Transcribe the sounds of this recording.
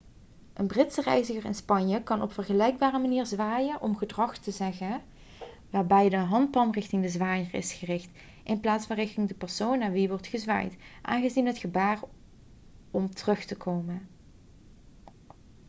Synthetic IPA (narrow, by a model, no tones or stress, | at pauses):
ʔənbrɪtsərɛjzəχərɪ̰nspɑnjəkɑnʔɔpfəɹχəlɛjɡ̚baːrəmaniːɹzʋaːjənʔɔmχədrɑχtəzɛɣə | ʋaːɹbɛjdəɦɑnt̚pɑnrɪxtɪŋdəzʋaːjərɪ̰sχərɪxt | ʔɪnplaːtsfɑnrɪxtɪŋdəpɛɹsownːaːɹʋiʋɔɹtχəzʋa̰ːjtʔa̰ːnɣəzinɦətχəbaːr | ɔmtərɵxtəkʰowmən